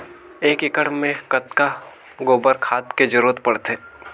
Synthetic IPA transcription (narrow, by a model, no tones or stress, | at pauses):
eːkɪkəɽmẽkət̪ka | ɡoːbəɾkʰaːt̪ked͡ʒəɾuːət̪pɐɽt̪eː